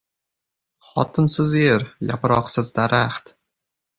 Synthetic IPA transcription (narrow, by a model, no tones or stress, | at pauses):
χɒ̰t̪ʰɨnsɪzeɾja̰pɾɒqsɪzd̪aɾaχt̪